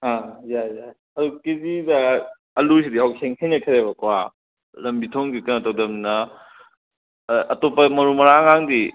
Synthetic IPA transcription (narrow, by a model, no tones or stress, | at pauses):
hãjaja | ɐdukezidɐ | ɐlus̬idiɦawsʰeŋhenɐkʰɐɾebɐkwa̰ | lɐmbitʰoŋɡikɐnɐtɐwdɐmnɐ | ʔɐtopːɐmɐɾumɐɾaŋaŋdi